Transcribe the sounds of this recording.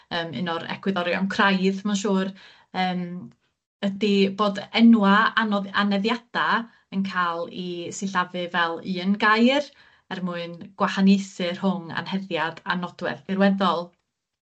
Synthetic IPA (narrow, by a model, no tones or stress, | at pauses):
əːmɨ̰nɔɾɛ̰kʰwɪðɔɾjɔ̰ŋkʰrajðmanʃuːr | əːm | ədiboːdɛnwaanɔanɛðjad̥a | ənkʰaːlˠisɪɬavɨvɛlˠɨːənɡajr | ɛrmuɨnɡ̥wahanesɨrhʊŋa̰nhɛðjad̥anɔdwɛ̰ð̥ɪɾwɛðɔlˠ